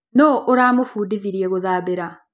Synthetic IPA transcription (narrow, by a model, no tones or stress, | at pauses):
nɔʔoɾaːmofuːdiðiɾiɛɣoðaːβeɾa